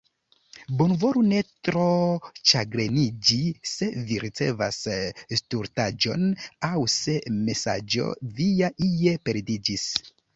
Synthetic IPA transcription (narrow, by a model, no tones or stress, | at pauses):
bonvo̞ɾune̞tɾo̞t͡ʃaɡɾenid͡ʒise̞viɾit͡se̞̰va̰sstuɾtad͡ʒo̞̰nawse̞me̞sa̰d͡ʒo̞̰viaʔie̞pe̞ɾdid͡ʒis